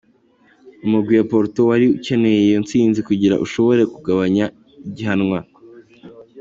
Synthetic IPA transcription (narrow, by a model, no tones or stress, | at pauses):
umuɡwijapo̞ɾtowaɾiuce̞ne̞jejont͡siːnzikuɟiɾa̰ʔuʃo̞βo̞ɾe̞kuɡaβaɲa | iɟiɦanŋwa